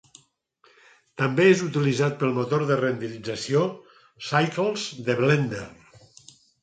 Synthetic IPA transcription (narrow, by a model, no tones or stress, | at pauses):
t̪əmbeezut̪ilizat̪̚pəlˠmot̪oɾðərend̪ilid͡zəsio | sajklˠzd̪əβlɛnd̪er